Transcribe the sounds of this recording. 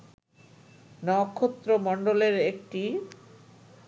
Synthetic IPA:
nɔkʰːot̪ːɾomɔɳɖoleɾekʈi

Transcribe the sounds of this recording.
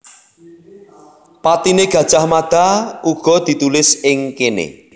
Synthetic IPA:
pat̪ineɡ̥ä̤d̥ʒ̥ahmad̪̥a̤uɡ̥ɔ̤d̪̥i̤t̪ulɪsɪŋkenḛ

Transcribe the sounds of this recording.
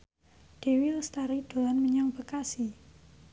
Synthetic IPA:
d̥e̤wilst̪aɾid̪̥o̤lanməɲaŋbəkasi

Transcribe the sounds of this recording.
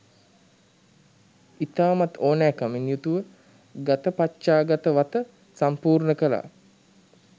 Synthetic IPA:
it̪aːmat̪oːnɛːkəminjut̪uʋə | ɡat̪əpatt͡ʃaːɡat̪əʋat̪ə | sampuːrnəkəla̰ː

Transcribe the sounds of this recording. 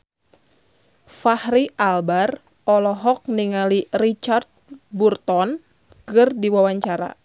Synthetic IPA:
fahɾiʔalbar | ɔlɔɦɔk̚niŋalirit͡ʃart̪̚burt̪ɔn | kɨrdiwawaɲt͡ʃaɾa̰

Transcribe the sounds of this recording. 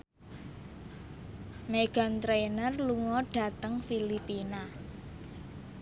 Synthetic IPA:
meɡ̥a̤nt̪ɾenərluŋɔɖ̥ä̤t̪əŋfilipina

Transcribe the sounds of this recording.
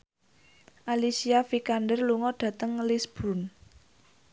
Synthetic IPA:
ʔalisiafikandərluŋɔɖ̥ä̤t̪əŋlisb̥un

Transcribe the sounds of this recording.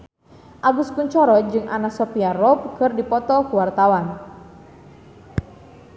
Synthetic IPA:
ʔaɡuskuɲt͡ʃɔɾɔd͡ʒɨŋʔanasɔpiarɔp̚kɨrdipɔt̪ɔkuwart̪awan

